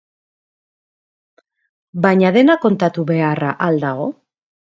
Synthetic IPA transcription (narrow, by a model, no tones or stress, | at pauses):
baɲaðe̞nako̞nt̪at̪uβe̞araʔald̪aɣo̞